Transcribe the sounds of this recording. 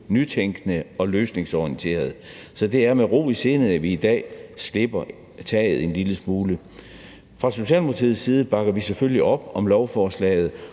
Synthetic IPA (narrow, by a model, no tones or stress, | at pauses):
nyt͡sʰeŋɡ̥nəɒ̽løːsne̝ŋsɒint͡sʰe̝̰ːɐð̞ˠsɒ̽d̥e̝æɐmeʁo̝̰ːise̝ːnð̩ˠæʋiːd̥ɛ̰ːsle̝b̥ɐ | t͡sʰɛ̰ːð̞̩ˠe̝nliləsmuːlə | fʁɑ̈so̝ɕɛ̰ːlmʰɑt͡sʰið̩ˠsːiːð̞ˠəb̥ɑ̈ɡ̥ɐʋisefølliʔɒ̽b̥ɒ̽mlɒʊfɒːslɛ̰ːɪð̞̩ˠ